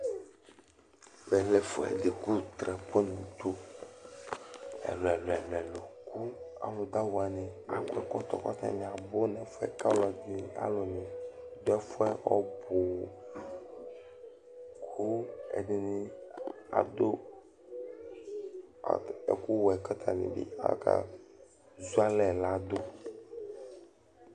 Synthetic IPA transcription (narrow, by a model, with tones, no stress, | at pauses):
bɛ˨lɛ˦fo˨ɛ̰˨de˨ku˦t̪ɾɛ˨po˦nũ˨t̪o˦ | ɛ̰˨lɔ˨ɛ˨lɔ˨ɛ˨llo˨ku˦a̰˨lo˨d̪a˦wo˨a˨nẽ˨a˨kɛ˦kɔ˦t̪ɔ̰˨kɔ˦t̪ɛ̰̃˦nɛ̃˨a˨bo˦nɛ̃˨fɛ̰˦ka˦lɔ˨d͡ʒe˨a̰˦lo˨nẽ˨d̪o˦ɛ˦fɔ˦ɛ˦ɔ˦bo˨ | kʰo˦ḛ˨d̪e˨nĩ˦a̰˨d̪o˦˨ | ḛ˨ku˦wɔ˨ɛ˨ka˦t̪ʰa˨nḭ̃˨bḭ˦a̰˨˦ka̰˦ | zu˦a˦lɛ˨la˦d̪o˦